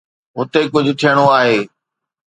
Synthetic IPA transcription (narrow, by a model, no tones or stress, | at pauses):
ɦʊt̪ekʊd͡ʑʱʊ̆t̪ʰijəɽ̃oaːɦeː